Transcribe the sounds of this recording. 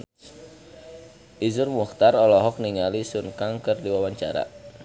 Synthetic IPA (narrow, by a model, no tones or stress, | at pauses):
ʔizʊrmuxt̪arɔlɔɦɔk̚niŋalisunkaŋkərdiwawaɲt͡ʃaɾa̰